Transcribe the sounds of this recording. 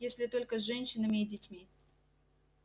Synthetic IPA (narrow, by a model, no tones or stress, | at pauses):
jesʲlʲɪt̪o̞lʲkəzʐɛnʲɕɪnəmʲɪidʲɪtʲmʲi